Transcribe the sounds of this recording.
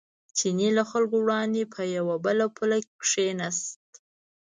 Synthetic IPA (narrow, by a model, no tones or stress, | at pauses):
t͡ʃinelaxalkowɽɑnd̪epʰəjawabəlapʰulakkʂenast̪